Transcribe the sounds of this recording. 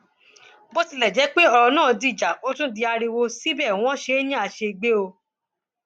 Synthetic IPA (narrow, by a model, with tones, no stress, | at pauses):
bo˦ti˧lɛ˨d͡ʒɛ˨˦k͡pe˦ɔ˧ɾɔ˧nãː˦˨di˧i˨d͡ʒa˨o˦tũ˦di˧a˧ɾi˧wo˧si˦bɛ˦˨w̃ɔ̃˦ʃe˨˦nĩ˦a˧˨ʃe˧i˧ɡ͡be˦o˧